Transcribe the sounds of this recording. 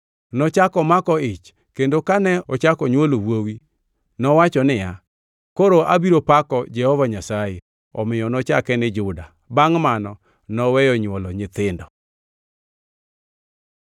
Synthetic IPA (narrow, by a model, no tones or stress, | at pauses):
nɔt͡ʃakɔmakɔɪt͡ʃ | kendokanɛɔt͡ʃakɔɲwolowwowi | nɔwat͡ʃɔnɪja | koɾoʔabiɾopakɔd͡ʒɛhɔvaɲasaje | ɔ̰mɪjɔnɔt͡ʃakɛnɪd͡ʒʊda | baŋmanɔ | nɔwɛjɔɲwɔlɔɲɪt̪ɪndɔ